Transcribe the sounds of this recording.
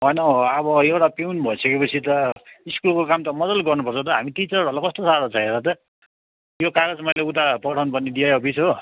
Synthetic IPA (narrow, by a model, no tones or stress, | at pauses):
ɦʌjnʌʌbʌewʈapeunbʱʌisʌkepʌt͡sʰit̪ʌiskulkokamt̪ʌmʌdʌlɡʌrnupʌrt͡sʰʌt̪ʌɦamiʈit͡sʌrʌlakʌst̪osaɽot͡sʰʌeɾʌt̪ʌ | jokaɡʌd͡zmʌjleut̪apʌʈʰawnupʌniɖiaʌpʰisɦo